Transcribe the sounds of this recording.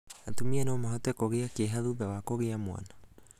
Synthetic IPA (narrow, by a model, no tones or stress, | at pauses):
atumianoːmoɦɔtɛkoɣeakeɦaðuðawakoɣeamwa̰na